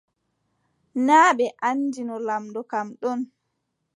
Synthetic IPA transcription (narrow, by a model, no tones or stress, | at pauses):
naːɓɛʔand͡ʒinɔlamdɔkamɗɔn